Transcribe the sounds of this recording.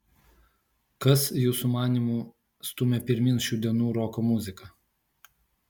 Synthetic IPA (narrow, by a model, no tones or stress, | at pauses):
kɐsjuːsumɑːnʲiˑmuː | st̪ʊmʲɛpʲɪɾʲmʲɪnsʃʲuːd̪ʲiɛnuːɾɔkomʊzʲɪkɐ